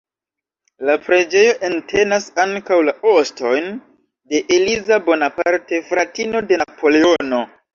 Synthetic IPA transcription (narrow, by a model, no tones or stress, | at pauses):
lapɾe̞d͡ʒe̞jo̞ʔe̞ntʰe̞nasaŋkawlaosto̞jn | de̞ʔelizabo̞napaɾte̞fɾatino̞de̞napo̞le̞o̞no̞